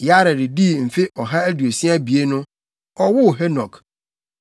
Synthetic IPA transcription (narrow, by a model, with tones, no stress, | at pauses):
ja˦ɾɛ˨dɪ˨di˦˨m̩˨fe˦ʔɔ˨ɦa˦æ˦du˨e˨si˦a˦bi˨e˦nʊ̃˦ | ɔ˦wʊ˦˨ɦɛ˦nɔ̃˨k